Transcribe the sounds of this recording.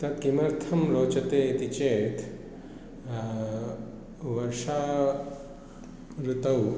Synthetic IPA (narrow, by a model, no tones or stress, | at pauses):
t̪ɐt̪̚kimɐɾt̪ʰɐmɾoːt͡ʃɐt̪et̪it͡ɕet̪ʰ | ʋɐɾʂa | ɾut̪ɐw